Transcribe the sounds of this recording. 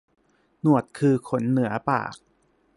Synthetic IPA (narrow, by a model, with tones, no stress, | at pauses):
nu˨˩ət̪̚kʰɯː˧kʰo˩˦nːɯ˩˦ɐpa̰ː˨˩k̚